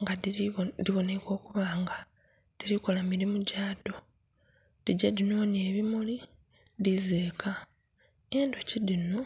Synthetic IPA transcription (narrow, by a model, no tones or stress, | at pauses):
ŋɡadiβo̞ne̞ko̞ːkuβaːŋɡa | d̥iɾikolamiɾimuɟaːdo̞ | d̥iɟadino̞ːne̞ːβimuli | dizeːka | endo̞cidino